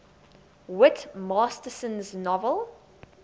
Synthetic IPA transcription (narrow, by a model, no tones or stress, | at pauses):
wɪtmɑːstəsə̃nznɔvəlˠ